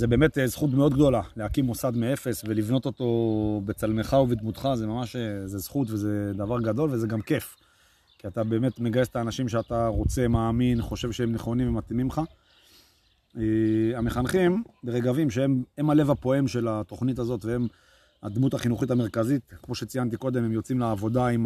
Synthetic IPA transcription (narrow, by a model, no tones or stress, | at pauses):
zebe̞ːmet̪ezχut̪̬meo̞d̪ɡd̪o̞lalehakimːosad̪mee̞fe̞svelivno̞t̪o̞t̪o̞bet͡salmeχauved̪mut̪χazemamaʃezezχut̪vezed̪avaʁɡad̪o̞lvezeɡamke̞f | kiat̪abe̞ːme̞t̪me̞ɡajest̪aːnaʃimʃeat̪aʁo̞t͡se̞maːminχo̞ʃe̞vʃeemneχo̞nĩmvemat̪imimχa | eame̞χanχimbe̞ʁeɡavimʃeeme̞male̞vapo̞emʃe̞lat̪o̞χnit̪azo̞t̪vee̞m | a̰d̪mut̪aχinuχit̪̬ame̞ʁkazit̪kmo̞ʃe̞t͡sijant̪̬iko̞d̪emhemjo̞t͡simleːvo̞d̪aim